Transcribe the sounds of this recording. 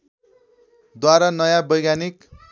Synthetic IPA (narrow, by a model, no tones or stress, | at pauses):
d̪waɾanʌjabʌjɡanik